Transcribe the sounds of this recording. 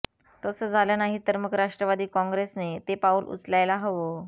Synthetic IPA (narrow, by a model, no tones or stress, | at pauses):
t̪əsəd͡zʱalənaɦit̪əɾməkʰɾaʂʈɾəʋad̪iːkɔ̃ŋɡɾesnet̪epauːlʔṵt͡slajlaɦəʋo